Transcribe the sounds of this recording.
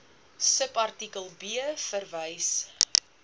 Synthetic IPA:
səpɐrtikəlˠbiəfərvəjs

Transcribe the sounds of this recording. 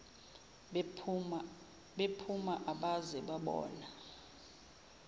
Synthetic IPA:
ɓepʰumaʔaɓazɛɓaɓɔ̰ːna

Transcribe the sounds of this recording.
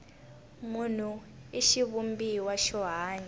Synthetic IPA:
mun̤uiʃiβumbiwaʃɔɦaːɲɛ

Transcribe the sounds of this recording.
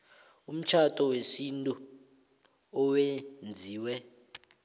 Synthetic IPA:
um̩t͡ʃʰatʼɔwesintʼu | ɔwend͡zʱiːwɛ

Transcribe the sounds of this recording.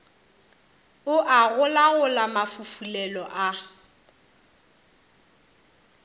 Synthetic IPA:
ʊʔaɣʊlaɣʊlamafufulɛlɔʔa

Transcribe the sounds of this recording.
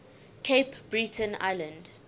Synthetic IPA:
kʰepb̥ɹitʰə̃na̰jlə̃nd

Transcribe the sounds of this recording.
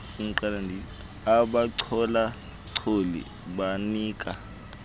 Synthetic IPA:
fuŋ̩ǀalandʱi | aɓaǀʰɔla | ǀʰolḭ | ɓaniːkʼa

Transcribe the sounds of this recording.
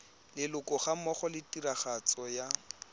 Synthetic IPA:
lɪlʊkɔχamɔχɔlɪtiɾaχat͡sɔja

